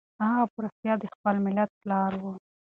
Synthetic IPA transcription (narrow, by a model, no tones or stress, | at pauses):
ɑɣapʊɾast̪jɑd̪əxpəlmɪlat̪̚plɑɾwu